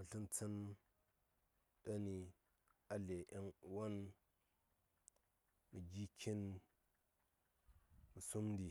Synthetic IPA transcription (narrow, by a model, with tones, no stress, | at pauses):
mə˨ɬi˦nt͡sə˦n | da˦ni˨ | a˨le˨ʔi˦ŋwo˦n | mi˨ɡi˦kʰi˦n | mə˨su˦mdi˨